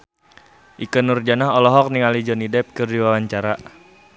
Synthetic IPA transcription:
ʔikənurd͡ʒanaɦɔlɔɦɔk̚niŋalid͡ʒɔnidɛp̚kɨrdiwawaɲt͡ʃaɾa

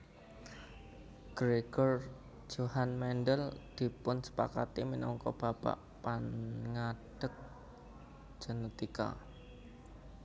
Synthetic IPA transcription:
ɡ̥ɾeɡ̥ɔr | d͡ʒohanmɛnɖəld̪̥i̤pʊnsə̥pa̰kat̪iminɔŋkɔb̥a̤pa̰ʔ | panŋaɖ̥ək̚ | d͡ʒ̥ə̤nət̪ika̰

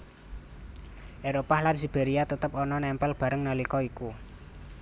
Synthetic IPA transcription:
ʔeɾopalansib̥eɾiat̪ət̪əpɔnɔnɛmpɛlb̥a̤ɾəŋnalikɔiku

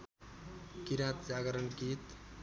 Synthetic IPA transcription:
kiɾat̪̚d͡ʒaɡəɾənkit̪

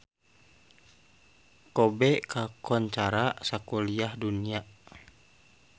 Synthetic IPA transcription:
kɔbɛkakʰɔɲt͡ʃaɾasakuliahdunia

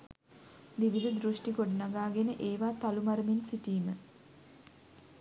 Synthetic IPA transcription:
d̪iʋid̪əd̪ɾuʂʈiɡoɖənaɡaːɡenəʔeːʋaːt̪alumaɾəminsiʈiːmə

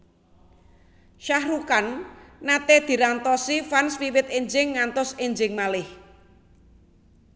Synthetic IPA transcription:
ʃahrukanːat̪ed̪̥i̤ɾant̪ɔsifanswiwɪt̪̚eɲd͡ʒɪŋːant̪ɔseɲd͡ʒɪŋmalɪh

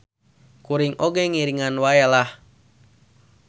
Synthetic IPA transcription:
kuɾiŋʔoɡɛŋiɾiŋanwaɛlah

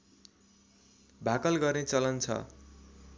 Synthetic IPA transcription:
bʱakʌlɡʌrnet͡sʌlʌnt͡sʰʌ̰

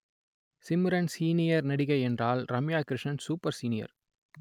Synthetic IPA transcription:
sɪmɪɾɐnsiːnɪjɐɾnɐɽɪɣɐɪɛndraːlɾɐmjaːkɾɪʂɐnsuːpɐɾsiːnɪjɐ̰ɾ

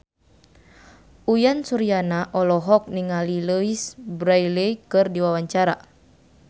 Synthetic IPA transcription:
ujansuɾijanaʔɔlɔɦɔk̚niŋaliləisbɾajlekɨrdiwawaɲt͡ʃaɾa

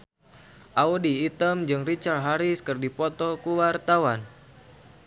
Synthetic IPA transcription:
ʔaodiːt̪əmd͡ʒɨŋrit͡ʃarɦaɾiskɨrdipɔt̪ɔkuwart̪awan

